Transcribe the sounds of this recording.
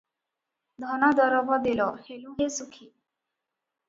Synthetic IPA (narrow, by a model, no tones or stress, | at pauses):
d̪ʱɔnad̪ɔɾɔbɔd̪elɔhelũɦesukʰi